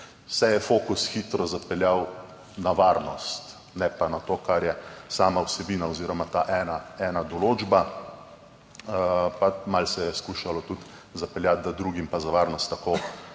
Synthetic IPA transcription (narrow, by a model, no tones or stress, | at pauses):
sɛjɛfoːkusxiːt̪ɾɔzapɛljaw | naʋaɾnɔst̪ | nɛpanat̪oːkaɾjɛsaːmawsɛbiːnaɔziːɾɔmat̪aʔɛnaɛnad̪ɔloːd͡ʒba | pamalsɛjɛskuːʃalɔt̪ut̪zapɛljat̪̚d̪ad̪ɾuːɡimpazaʋaɾnɔst̪ːako